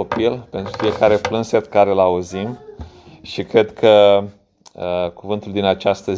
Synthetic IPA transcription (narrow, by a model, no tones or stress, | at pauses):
opilpe̞nt̪ɾufije̞kaɾe̞plɨnse̞t̪kaɾelauzim | ʃikɾe̞d̪kʰə | əkuvɨnt̪uld̪inat͡ʃast̪ə